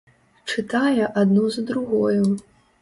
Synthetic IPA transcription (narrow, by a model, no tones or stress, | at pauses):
t͡ʂɨt̪ajɛʔad̪nuzɐd̪ɾuɣɔju